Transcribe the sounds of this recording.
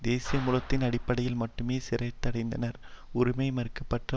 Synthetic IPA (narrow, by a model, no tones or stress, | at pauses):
d̪eːsijɐmuːlɐt̪ːɪnɐɽɪpːɐɽɐjɪlmɐʈːɯmeːsɪɾɐɪt̪ːɐɽɐɪnd̪ɐnɐɾʊɾɪmɐɪmɐɾɯkːɐpːɐʈrɐ